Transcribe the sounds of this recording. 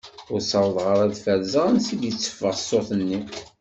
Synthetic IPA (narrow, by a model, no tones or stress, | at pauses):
ʊɾsəɾˤðˤʁəɾˤæðfæɾzəʁənsid̪jət͡sːə̥fːəʁsoθənːi